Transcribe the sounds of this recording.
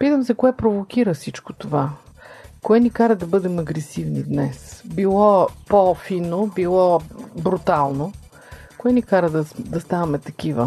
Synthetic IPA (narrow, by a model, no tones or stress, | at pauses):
pit̪əmsɛkoɛpɾovok̟iɾəfsit͡ʃkot̪ova | koɛnikaɾɐd̪ɐbɤd̪ɛmɐɡɾɛsivnḭd̪nɛsbilˠɔpofinobilˠɔbɾut̪alˠno | koɛnikaɾəd̪ɐd̪ɐst̪avɐmɛt̪ɐk̟ivə̰